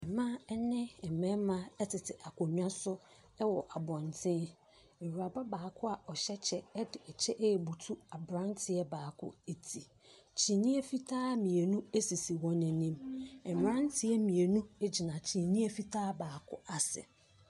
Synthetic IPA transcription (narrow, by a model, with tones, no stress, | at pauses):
ɛ˨mã˦ɛ˦nɪ̃˦ɛ˨mɛ̃˦mã˦ɛ˦tʰɪ˨tʰɪ˨ʔa˨kʊ˨ɲᶣ˦ã˦sʊ˦ | ɛ˦wɔ˨ʔa˨bɔ̃˨ntʰɪ̃˦ | e˨ɾu˨a˨ba˦baː˨kʰʊ˦a˨ʔɔ˨ɕɛ˦t͡ɕʰɛ˦ɛ˦dɪ˨ɛ˨t͡ɕʰɛ˦ʔɛ˨bu˨tʰu˦a˨bɾã˦n˦tʰɪ˨ɛ˦baː˨kʰʊ̰˦e˨tʰi˨ | t͡ɕʰĩ˨nĩ˦ɛ˦fi˦tʰaː˦mĩ˨e˨nũ˦e˦si˨si˨wɔ̃˦nɛ̃˨nĩ˦mɛ˨mɾã˦n˦tʰɪ˦ɛ˦mĩ˨e˨nũ˦e˦d͡ʑi˨nã˨t͡ɕʰĩ˨nĩ˦ɛ˦fi˦tʰaː˦baː˨kʰʊ̰˦ʔa˨sɛ̰˨